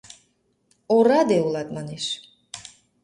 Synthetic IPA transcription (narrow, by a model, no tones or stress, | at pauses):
ɔɾad̪ɛulat̪maniʃ